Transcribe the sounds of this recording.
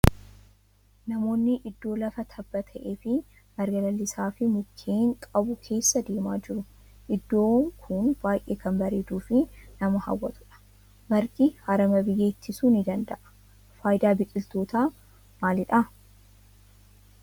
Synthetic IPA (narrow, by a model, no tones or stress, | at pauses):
nɐmo̞ːnːɪʔɪd̪ːo̞ːlɐfɐt̪ʰɐbːɐt̪ʰɐʔeːfɪ | mɐɾɡɐlɐlːɪsaːfɪmʊkʰːeːŋkʼɐbʊkʰe̞ːsːɐd̪e̞ːmaːd͡ʒɪɾʊ | ʔɪd̪ːo̞ːŋkʰʊnb̥aːjʔḛːkɐnbɐɾeːd̪uːfɪnɐmɐhɐ̰wːɐt̪ʊ̥ᶑɐ̥ | mɐɾɡɪhɐɾɐmɐbɪjːeːɪt̪ʰːɪsuːnɪd̪ɐnd̪ɐʔɐ̥ | faːjd̪aːbɪkʼːɪlt̪o̞ːt̪aː | maːlɪᶑɐ